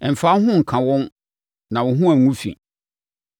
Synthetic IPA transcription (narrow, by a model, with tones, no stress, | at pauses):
ɛ˨m̩˨fa˨˦ɦʊ̃˦ŋ̩˨kʰã˨wɔ̃˦n | nã˨wɔ˨ɦʊ̃˦æ̃˨ŋũ˦fḭ̃˨